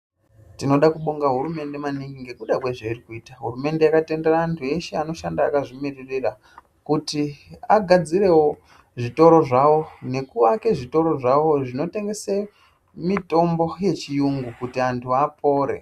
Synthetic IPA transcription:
tino̞ɗakuɓoŋɡaɦuɾume̞ndemaniŋɡiŋɡe̞kuɗakwe̞ʐeirikuiːtaɦurume̞nde̞jakate̞nderaaːntʰue̞ʃeano̞ʃandaːkaʐimirerera | kutiaɡʱad͡ziɾe̞wo | ʐito̞ɾo̞ʐawo̞ne̞kuʋake̞ʐito̞ɾo̞ʐawo̞ʐino̞te̞ŋɡe̞se | mito̞mbo̞je̞t͡ʃijuŋɡukutiantʰuapo̞ːɾe̞̰

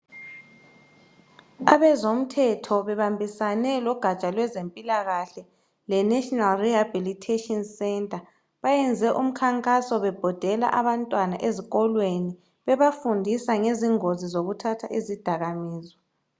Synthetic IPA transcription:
aβɛzom̩tʰɛtʰɔβɛβambʱisanɛlɔɡ̥ʱat͡ʃʼalwɛzempʼilaɣaɬɛ | lɛnɛʃʼɔnalrihabilitʰetʼɔnsɛntʼa | βajɛnd͡zʱɛʔum̩kʰaŋkʼasɔβɛb̥ʱɔd̥ʱɛla̰ʔaβantʼwanaʔeziɣɔlweni | βɛβafundʱisaŋeziŋozizoɣutʰatʰaʔezid̥ʱaɣamiːzɔ

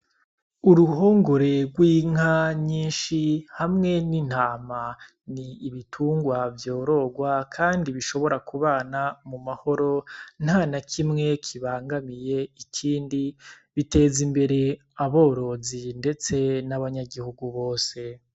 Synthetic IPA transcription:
uɾuɦo̞ːŋɡoɾe̞ɡwiːŋ̥aɲiːnʃihamŋe̞nin̥haːma | niːβitʰuːŋɡwavjo̞ːɾo̞ɡwakʰaːndiβiʃo̞βo̞ɾakuβaːnamumaho̞ɾo̞n̥hanakʰimŋe̞kʰiβaːŋɡamije̞ikʰiːndi | βite̞ːzimbe̞ɾe̞ | aβo̞ːɾo̞zinde̞t͡se̞naβaɲaɡihuɡuβoːse̞

